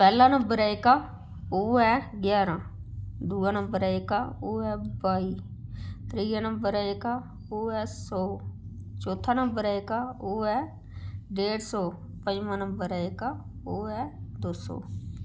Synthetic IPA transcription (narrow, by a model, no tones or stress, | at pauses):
pɛːlãːnəmbəɾɛːekaː | oːɛːɡjaːɾãːd̪uːãːnəmbəɾɛekaoːɛːbaːiːt̪ɾiːãnəmbəɾɛeka | oːɛːsɔː | t͡ʃoːt̪ʰãːnəmbəɾɛːekaoːɛː | ɖeːɽsɔː | pəd͡ʒmãːnəmbəɾɛːeka | oːɛːd̪oːsɔ̰ː